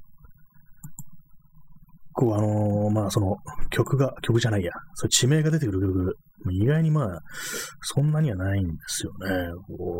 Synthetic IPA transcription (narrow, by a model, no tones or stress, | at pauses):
kːoːano̞maːso̞no̞kʲo̞kɯ̟ɡakʲo̞kɯ̟ʑanaijasot͡ɕime̞ːɡad̪et̪ekɯɾɯ̟kʲo̞kɯ̟ | moiɡaiɲ̟imaː | sõ̞nːaɲ̟iβanaĩnd̪e̞sɨjo̞ne̞koː